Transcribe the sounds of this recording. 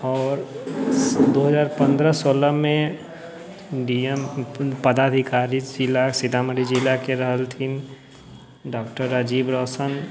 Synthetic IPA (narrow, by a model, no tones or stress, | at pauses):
ɔːɾ | d̪oɦəzaːɾpə̃nd̪ɾəsoːləmẽ | ɖiəmpəd̪aːd̪ʱikaːɾid͡ʒɪlːasɪt̪aːməɽid͡ʒilakeɾəɦəlt̪ʰin | ɖɔːkʈəɾːəd͡ʒiːbɾɔːsən